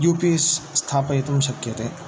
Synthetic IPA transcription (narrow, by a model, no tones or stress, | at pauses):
juːpisːt̪ʰaːpɐet̪ɐmʃɐkjɐt̪eː